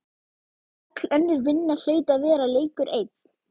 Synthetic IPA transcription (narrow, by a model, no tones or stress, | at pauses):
ak̪lœnːʏɾvɪnːal̥œːɥt̪aðvɛːɾaleːjkʏɾʔeːjt̪̚